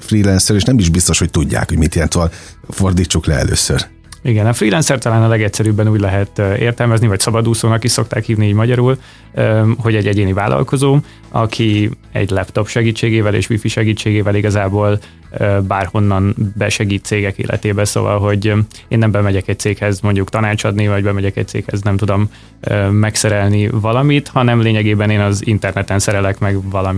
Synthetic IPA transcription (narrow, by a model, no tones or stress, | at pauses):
friːlɛnsɛɾeːʃnɛmiʒbist̪o̞ʃho̞c̚t̪uɟːa̰ːkho̞ɟmit̪iɛnt̪ɒl | ford̪iːt͡ʃːuklɛɛ̰lø̰ːsør | iɡɛnɒfriːlɛnsɛrt̪ɒlaːnɒlɛɡɛcsɛɾyːbːɛnuːɟlɛɦɛt̪ːḛːrt̪ɛlmɛznivɒcsɒbɒd̪uːsoːnɒkiʃso̞k̚t̪a̰ːkhiːvniiːɟmɒɟɒɾuːl | ɦo̞ɟɛɟːɛɟeːnivaːlʔɒ̰lko̞zoː | ɒkʰi | ɛ̰ɟlɛpt̪o̞pʃɛɡiːt͡ʃːeːɡeːvɛlḛːʃʋifiʃɛɡiːt͡ʃːeːɡeːvɛliɡɒzaːboːl | øbaːrho̞nːɒnbɛʃɛɡiːt̪t̪seːɡɛkḛːlʔɛ̰t̪eːbɛso̰vɒ̰lɦo̞ɟ | eːnːɛmbɛmɛɟɛkɛc̚tseːkhɛzmoɲɟukt̪ɒnaːt͡ʃɒd̪nivɒɟbɛmɛɟɛkɛ̰c̚t̪sḛːkhɛznɛmt̪ud̪o̞m | øːɛksɛɾɛlnivɒlɒmit̪hɒnɛmleːɲɛɡeːbɛneːnɒzint̪ɛrnɛt̪ɛnsɛɾɛlɛkmɛɡvɒlɒmi